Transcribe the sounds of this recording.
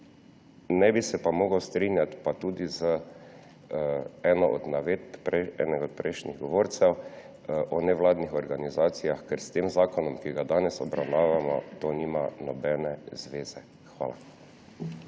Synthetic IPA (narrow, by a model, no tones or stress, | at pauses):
nɛbisɛpamɔːɡawst̪ɾiːnjat̪pat̪uːd̪izə | ɛːnɔʔɔd̪naʋet̪ppɾɛɛ̰ːnɛɔt̪̚pɾɛjʃniɣɡɔʋoːɾt̪sɛw | ʔɔnɛʋlaːd̪nixɔɾɡanizaːt̪sijaxkɛɾst̪eːmzaːkɔnɔmkiɡad̪aːnɛsɔbɾa̰wnaːʋamɔ̰t̪oːniːmanɔbɛːnɛzʋeːz̥ɛ | xʋa̰ːla̰